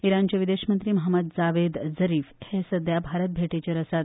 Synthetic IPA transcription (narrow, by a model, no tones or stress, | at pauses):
iɾant͡ɕaʋid̪eɕmənt̪ɾiːməɦəməd̪d͡zaʋed̪zəɾiːfhesəd̪jabʱaɾət̪̚bʱeʈet͡ɕeɾəsat̪̚